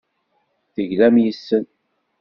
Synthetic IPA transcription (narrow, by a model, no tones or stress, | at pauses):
θəʝlæmjəsːən